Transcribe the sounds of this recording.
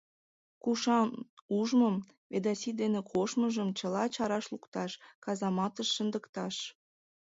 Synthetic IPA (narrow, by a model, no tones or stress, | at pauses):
kuʃɑmuʒməm | βed̪ɑsid̪enekʰoʃməʒəmt͡ɕəlɑt͡ɕɑɾɑʃlukt̪ɑʃkɑzɑmɑt̪əʃːənd̪əkt̪ɑʃ